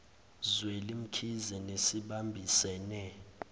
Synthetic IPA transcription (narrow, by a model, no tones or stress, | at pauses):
zwelim̩kʰizɛnesiɓambʱisɛːnɛ